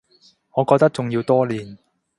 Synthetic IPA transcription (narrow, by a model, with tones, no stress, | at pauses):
ŋɔː˨˧kɔː˧k̚t̪ɐ˥k̚t͡sʊ˨ŋji˧wt̪ɔː˥liː˨n